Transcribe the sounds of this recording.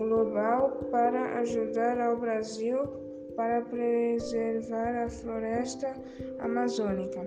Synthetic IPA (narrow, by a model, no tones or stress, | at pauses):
ɡlobawpaɾɐʔa̰ʒud̪aɾawbɾaziw | paɾɐpɾezeɾvaɾafloɾɛst̪ɐ | a̰mazonikɐ